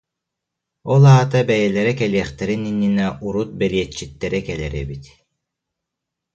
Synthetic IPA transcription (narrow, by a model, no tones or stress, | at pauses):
ɔlˠaːt̪abɛjɛlɛɾɛkɛliɛχt̪ɛɾininːinɛʔuɾut̪̚bɛliɛt͡ɕːit̪ːɛɾɛkɛlɛɾɛbit̪